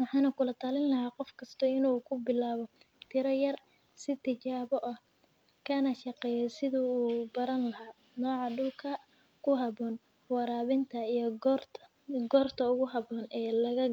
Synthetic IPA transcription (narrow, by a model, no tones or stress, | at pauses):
wɑħɑːnɐkʰʊlɐt̪ʰaːlɪnlɐɦaːqɔfkʰɐst̪ʰɔɪnuːkʰʊbɪlaːβɔ | t̪ʰɪɾɐjɐr | sɪt̪ʰɪt͡ʃaːβɔʔɐh | kʰɐnɐʃɑqɛːjɛsɪðʊuːbɐɾɐnlɐɦaː | nɔːʕɑɖʊlkʰɐ | kʰʊɦɐbɔːn | wɑɾaːβɪnt̪ʰɐijɔrʰ | ɡɔːrt̪ʰɐʊɣʊɦɐβɔːnɛːlɐɣɐ